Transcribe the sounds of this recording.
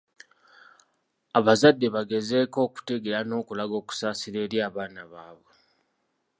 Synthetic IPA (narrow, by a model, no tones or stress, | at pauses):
aβazadːe̞βaɡe̞ze̞ːko̞ːku̥teɡeɾano̞ːkulaɡo̞ːku̥saːsiɾe̞ːɾjaːβaːnaβaːβwe